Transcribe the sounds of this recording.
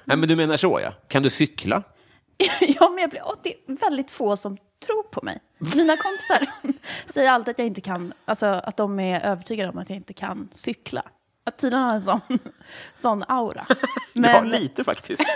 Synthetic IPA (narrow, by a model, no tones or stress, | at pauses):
nɛmɛnd̪ɵmeːnaʂɔ̰ja̰kʰand̪ɵsʏkʰla̰ | jɑːmɛnjɑːblɪɔd̪ɛvɛld̪ɪt̪foːsɔm | t̪ʰɾuːɾpʰɔmɛ̰j | miːnakʰɔmpɪ̥saɾsɛjːəɾalt̪ɪat̪jaɪnt̪əkʰanʔalsɔa̰t̪̚d̪ɔmɛɾʔøːvəʈʰyːɡad̪əɔmat̪jaːɪnt̪əkʰa̰nsʏkla̰ | at̪ʰːiːd̪ənhaːɾɛnsɔnsɔnːawɾa̰mɛnliːt̪əfa̰kt̪ʰɪs